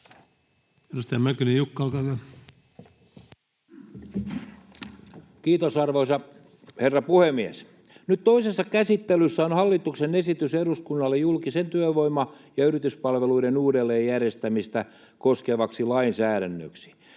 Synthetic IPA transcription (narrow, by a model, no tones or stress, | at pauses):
edust̪ɑjæmækynijukːɑlt̪ɑlːe | kiːt̪osɑrʋoisɑ | herːɑpuhemies | nyt̪t̪oisesːɑkæsit̪ːelysːæonhɑlːit̪uksenesit̪yseɾuskunːɑlːejulkisent̪yøʋoimɑ | jɑyrit̪yspɑlʋeluiɾenuːdelːeːjjærest̪æmist̪æ | koskeʋɑksilɑinsæːɾænːø̰ksi̥